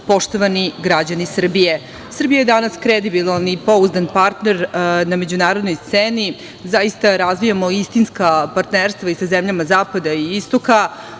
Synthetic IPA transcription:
po̞ʂt̪o̞ʋaniɡɾad͡ʑanisr̩bije | sr̩bijajed̪anaskɾed̪ibilˠanipo̞uzd̪anpaɾt̪ne̞ɾname̞d͡ʑunaːɾod̪no̞jst̪seːni | zaist̪aɾazʋijamo̞ist̪inskapaɾt̪neɾst̪vʋaisazemʎamazaːpad̪aiist̪oka

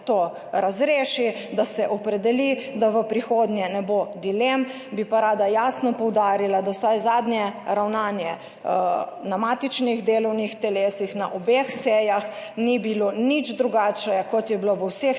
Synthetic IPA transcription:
t̪o | ɾazɾeːʃid̪asɛʔɔpɾɛd̪ɛlid̪aʋəpɾixoːd̪njɛnɛbod̪ilem | bipaɾaːd̪ajaːsnɔpɔwd̪aːɾilad̪awsajzaːd̪njɛɾawnaːnjɛ | namat̪it͡ʃnixd̪eːlɔwnixt̪ɛleːsixnaʔɔbexsɛjaxnibilonid͡ʒd̪ɾuɡat͡ʃɛjakɔt̪jɛbiloʋəwsex

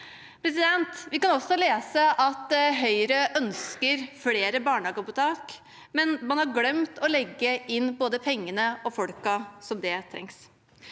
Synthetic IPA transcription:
pʰɾɛsɪd̪ɛnt̪ʋɪkɑnɔsːɔleːsəʔɑt̪ɦœʏɾəʔœnskəɾfleːɾəbɑːɳɑːɡɑpʊt̪ʰɑːk | mɛnmɑnhɑɾɡlɛmt̪ʰɔlɛɡːəɪnːboːd̪əpʰɛŋːənəɔfɔɽkɑsɔmd̪ɛt̪ʰɾɛ̰ŋs

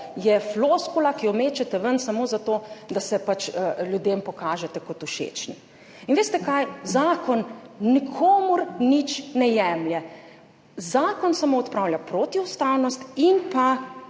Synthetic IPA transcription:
jɛfloːskulakiɔmeːt͡ʃɛt̪ɛʋənsamoːzat̪oːd̪asɛpat͡ʃljud̪empɔkaːʒɛt̪ɛkɔt̪uʃḛt͡ʃnḭ | inʋeːst̪ɛkajzaːkɔnːikʰoːmuɾnit͡ʃnɛjɛmljɛ | zaːkɔnsamoːɔt̪pɾaːwljapɾoːt̪iust̪awnɔst̪inpa

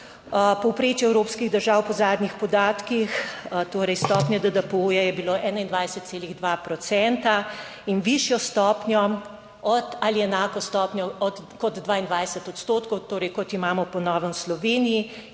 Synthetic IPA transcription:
pɔwpɾeːt͡ʃjɛɛwɾoːpskiɣd̪əɾʒaːwpɔzaːd̪nʲixpɔd̪aːt̪kixt̪oːɾɛjst̪ɔːpnʲjɛd̪əd̪əpəujajɛbiloʔɛːnaind̪ʋajsət̪t̪seːliɣd̪ʋapɾɔt̪sɛnt̪a | inʋiʃjɔst̪ɔːpnʲjɔ | ɔt̪aliɛnaːkɔst̪ɔːpnʲjɔɔd̪kɔd̪d̪ʋaːind̪ʋajsət̪ɔt̪st̪oːt̪kɔwt̪oːɾɛjkɔt̪imaːmɔpɔnɔːʋənslɔʋeːniji

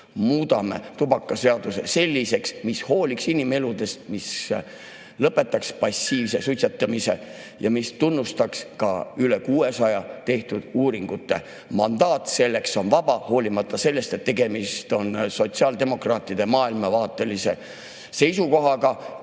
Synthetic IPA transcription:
muːd̪ɑmḛt̪ubɑkːˑɑse̞ɑd̪̥use̞̰se̞lʲːise̞ksmisho̞ːlʲiksinime̞lud̪̥e̞st̪̚mis | lɤpːˑe̞t̪ːˑɑkspɑsːiːvse̞sut̪ʲset̪ːˑɑmise̞̰ | jɑmist̪unːust̪ɑkskɑ̰yle̞kuːe̞sɑjɑt̪e̞ht̪ud̪̥uːɾiŋɡ̥ut̪ːˑe̞̰ | mɑnd̪ɑːt̪se̞lːe̞kso̞nvɑbɑho̞ːlʲimɑt̪ːˑɑse̞lːe̞st̪et̪ːe̞ɡe̞mist̪o̞nso̞t̪siɑːld̪e̞mo̞krɑːt̪ːˑid̪emɑːilmɑvɑːt̪ˑːe̞lise̞̰ | se̞jsuko̞ɦɑɡɑ

